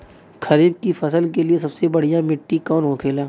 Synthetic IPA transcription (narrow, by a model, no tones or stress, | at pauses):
kʰɐɾiːb̚kifɐsəlkelies̬ɐbsebɐɽ̤ijamɪʈːikɔːnɦokʰeːlaː